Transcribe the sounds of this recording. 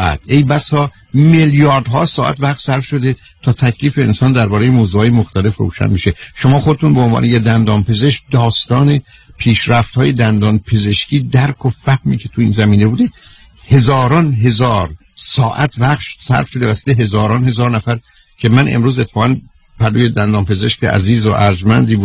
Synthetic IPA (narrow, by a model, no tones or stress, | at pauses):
æ̰t̪̚ʰʔe̞jbæsɒː | meljɒːɾd̪ɦɒːsɒːʔæ̰t̪væχt̪sæɾfʃo̞d̪e̞ | t̪ʰɒːt̪ʰæcʰliːfeːnsɒːnd̪æɾbɒːɾejemozuːɒːjemoxt̪æle̞fɾo̰ːʃæ̰nbiʃe̞ʃomɒːxod̪et̪ʰunbeonvɒ̰ːnʔejed̪ænd̪ɒːnpʰe̞ze̞ʃc̚d̪ɒːst̪ɒːne̞ | pʰiːʃɾæft̪hɒːje̞d̪ænd̪ɒːnpʰe̞ze̞ʃciːd̪æɾkʰofæhmiːcʰe̞t̪ʰuiːnzæmiːne̞buːd̪e̞ | he̞zɒːɾɒnɦe̞zɒːɾ | sɒːʔæt̪ʰvæχʃsæ̰ɾfʃod̪e̞væsi̥ːleɦe̞zɒːɾɒːnhe̞zɒːɾnæfæɾ | cʲʰe̞mænḛmɾuːzet̪ʰːe̥fɒːɣæn | pʰæd̪oːjed̪ænd̪ɒːnpʰe̞ze̞ʃcḛʔæ̰ziːzoʔæɾd͡ʒmænd̪iːbu